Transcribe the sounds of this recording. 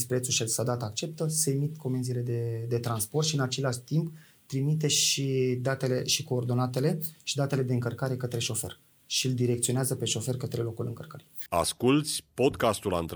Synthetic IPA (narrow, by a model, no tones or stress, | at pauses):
spɾe̞t̪suʃelsad̪at̪ak̚t͡ʃe̞p̚t̪əse̞emit̪ko̞menzile̞d̪e̞d̪e̞t̪ɾanspo̞rt̪ʃiɨnat͡ʃe̞laʃt̪imp | t̪ɾimit̪̬e̞ʃid̪at̪e̞le̞ʃiko̞ːrd̪o̞nat̪e̞le̞ʃid̪at̪e̞le̞d̪e̞ɨŋkərkaɾe̞kət̪ɾe̞ʃo̞fer | ʃiɨld̪iɾe̞kt̪sio̞neazəpe̞ʃo̞fe̞rkət̪ɾe̞lo̞kulɨŋkərkəɾia̰skult̪sʲpo̞d̪kast̪ula̰nt̪